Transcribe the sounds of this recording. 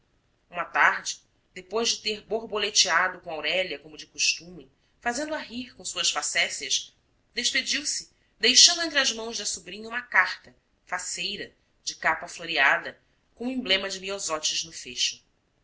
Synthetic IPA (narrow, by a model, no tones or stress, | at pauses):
ũmɐt̪aɾd͡ʒɪ | d̪̥epojʒd͡ʒɪt̪eɾboɾbolet͡ʃiad̪ʊkõw̃awɾɛlɐkõmʊd͡ʒɪkuʃt̪ũmẽ | fazẽnd̪uaɦiɾkõw̃suɐʃfasɛsjɐʃ | d̪eʃped͡ʒiwsɪ | d̪ejʃɐ̃nd̪ʊẽnt̪ɾiɐzmɐ̃w̃zd̪ɐsubɾĩɲɐũmɐkaχt̪ɐ | fasejɾɐ | d͡ʒɪkapɐfloɾiad̪ɐ | kõĩblẽmɐd͡ʒɪmiozɔt͡ʃɪznʊfeʃʊ̥